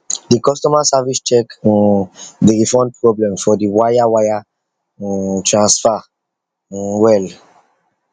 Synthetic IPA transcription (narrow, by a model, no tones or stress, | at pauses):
dikɔstɔmasavist͡ʃɛk | diɹifɔ̃ndpʰɹɔblɛ̃mfɔdiwajawajã | tʰɹãnsfa | wɛl